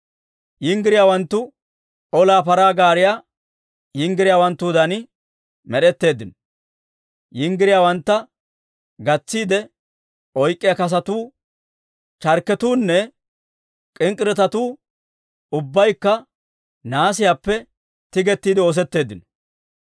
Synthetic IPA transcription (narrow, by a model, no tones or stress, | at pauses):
jɪŋɡɪɾɪjaːwɐnt̪ːʊ | ʔɔlaːpɐɾaːɡaːɾɪja | jɪŋɡɪɾɪjaːwɐnt̪ːuːd̪ɐnɪ | mɛɗɛt̪ːe̞ːd̪ːɪn | jɪŋɡɪɾɪjaːwɐnt̪ːɐ | ɡɐt͡sːiːd̪ɛ | ɔjkʼːɪjakɐs̬ɐt̪uː | t͡ʃɐɾkːɛt̪uːnːɛ | kʼɪŋkʼɪɾɛt̪ɐt̪uː | ʊbːɐjkːɐ | naːs̬ɪjapːɛ | t̪ɪɡɛt̪ːiːd̪ɪo̞ːs̬ɛt̪ːe̞ːd̪ːɪnɔ̥